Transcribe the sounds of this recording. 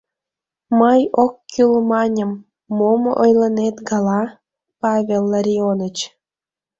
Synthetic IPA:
məjokːylmɑnʲəmː | omoʔojlənet̪ɡɑlɑ | pɑβʲelˠːaɾʲionət͡ɕ

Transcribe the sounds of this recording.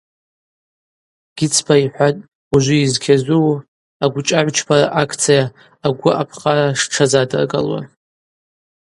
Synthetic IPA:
ɡ̥ʲiɪt͡sʰbʰaiħʷatʼ | uʒʷiizkʲʰazʷuw | aɡʷʊt͡ʃʼaʕʷt͡ʃʰpʰaɾa̰ʔakʰt͡sʰijaː | ɡʷʊʔapʰχaɾaʂʈ͡ʂʰazadɨ̰rɡʼa̰lwa̰

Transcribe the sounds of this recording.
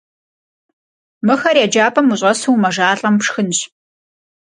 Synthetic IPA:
mɨxɐrjaːd͡ʒaːpʰɐmuɕʼɐsuwmɐʒaːɬʼɐmpʂxɨnɕ

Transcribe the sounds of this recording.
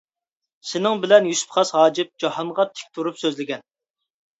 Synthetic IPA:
sɪnɪŋbɪlɛnjyspχʰɑsɦɑːd͡ʒɪp̚d͡ʒɑhɑnʁɑt̪ʰɪ̥k̚ʲt̪ʰuɾupsøzlɪɡʲɛn

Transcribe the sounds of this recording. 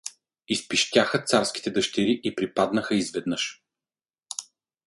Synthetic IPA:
ispiʃt̪ʲaxət̪saɾsk̟ʲi̥t̪ɛd̪əʃt̪ɛɾiʔipɾipad̪nəxəizvɛd̪nəʃ

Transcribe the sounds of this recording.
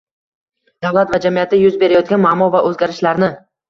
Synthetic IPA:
d̪̥avlˠat̪vad͡ʒamijat̪ːajʊzbe̞ɾajɒt̪̚ɡʲanmamːɒvaʔɵzɡʲaɾɪʃlaɾnɪ

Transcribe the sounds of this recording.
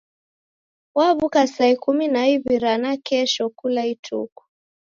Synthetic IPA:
waβukasaikuminaiβiɾanakɛʃɔkulaitʰṵku̥

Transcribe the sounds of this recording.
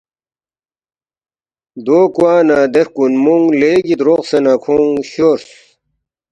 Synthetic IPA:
d̪oːkuaːnad̪eɾkunmuŋɡleːɡit̪ɾoqsenakʰuŋɕoɾs

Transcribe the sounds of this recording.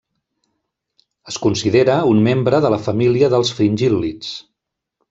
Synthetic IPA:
əskunsiðeɾəunmembɾəðələfəmiliəðəlˠsfɾinʲʒilːit͡s

